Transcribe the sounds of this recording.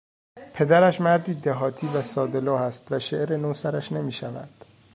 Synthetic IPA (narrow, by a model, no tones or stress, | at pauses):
pʰe̞d̪æɾæʃmæɾd̪iːd̪eɦɒːt̪ʰiːvæsɒːd̪e̞lɒːhæst̪væʃeʔɾenosæɾæʃne̞miːʃævæ̰d̪̥